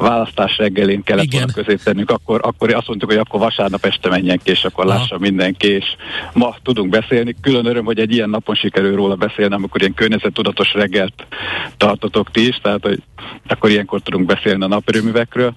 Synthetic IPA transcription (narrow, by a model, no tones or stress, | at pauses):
vaːlɒst̪aːʃrɛɡːɛleːnkɛlːɛt̪olnkøzeːt̪ːɛnːyŋkɒkːo̞ɾʔɒkːoɾɒst̪mo̞nt̪ukho̞ɟɒkːo̞rvɒʃaːrnɒpɛʃt̪ɛmɛɲːɛŋkieːʃɒkːorlaːʃːɒmːind̪ɛŋkieːʃmɒt̪ud̪uŋɡbɛseːlnikylønøɾømɦo̞ɟɛɟːijɛnːɒpo̞nʃikɛɾylroːlɒbɛseːlniɒmiko̞ɾijɛŋkørɲɛzɛt̪ːud̪ɒt̪o̞ʃrɛɡːɛlt̪ːɒrt̪ot̪o̞kt̪iʃt̪ɛɦaːt̪ho̞̰ɟɒkːo̞ɾijɛŋko̞rt̪ud̪uŋɡ̚bɛseːlniɒnɒpøɾøːmyvɛkrøːl